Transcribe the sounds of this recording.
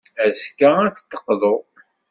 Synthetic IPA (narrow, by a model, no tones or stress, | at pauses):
æskːaæt͡sːt̪ːə̥qːðˤo